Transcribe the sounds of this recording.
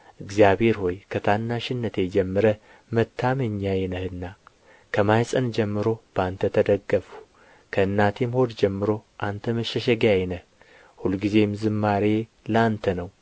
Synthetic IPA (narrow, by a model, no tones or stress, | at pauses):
ʔɨɡzijabhe̞ɾho̞jkʰət̪ʰanːaʃɪnːət̪ʰed͡ʒɛmːɨɾə | mət̪ʰːaməɲːajɛnəhɨnːa | kʰəmajsʼənd͡ʒɛmːɨɾo̞b̥əant̪ʰət̪ʰəd̪əɡːəfu̥ | kʰəɨnːat̪ʰemho̞d̪d͡ʒɛmːɨɾo̞ʔant̪ʰəməʃɛʃɛɡajɛnəh | hulɡize̞mzɨmːaɾe̞ləant̪ʰənəw